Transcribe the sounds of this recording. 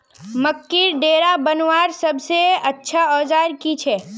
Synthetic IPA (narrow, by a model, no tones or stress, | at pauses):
mɐkːiɾɖeːɾabɐnwaːɾsɐbseɐtːʃʰaɔːd͡ʒaːɾkit͡ʃʰɛː